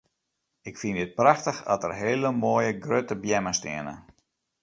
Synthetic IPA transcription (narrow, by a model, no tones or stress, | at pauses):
ɪkfindɪt̚praxtəxɔtərɦeːləmoːəjəɡrøtəbjɛməstɪ̰ənə̰